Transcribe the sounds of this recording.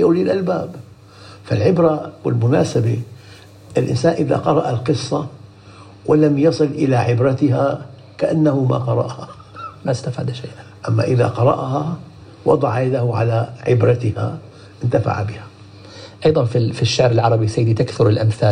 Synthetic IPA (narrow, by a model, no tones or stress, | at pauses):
ʔawlilʔalbaːb | falʕɪbɾawɪlmʊnaːsabe | ɪlʔɪ̰nsaːnʔɪða̰qɑɾˤɑʔalqɨsˤːɑ | wɪlamjɑsˤɨlʔɪlaʕɪbɾat̪ɪɦa | kaʔanːahʊma̰qɑɾˤɑ̰ʔha | mast̪afaːd̪ʃeːʔʔamːa̰ʔɪða̰qɑɾˤɑ̰ʔɦa | wɑ̰d̪ˤɑʕajad̪ahʊʕa̰laʕɪbɾat̪ɪha̰ | ʔɪnt̪afa̰ʕa̰bɪha | ʔɑjðˤɑnfifiʃːaʕɾɪlʕɑɾˤɑbisajːd̪it̪akθʊɾɪlʔamθaː